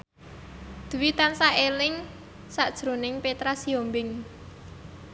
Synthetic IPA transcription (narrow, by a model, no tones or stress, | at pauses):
d̪̥ṳwit̪ansaʔelɪŋ | saʔd̥ʒ̥ɾo̤nɪŋpet̪ɾasiombɪŋ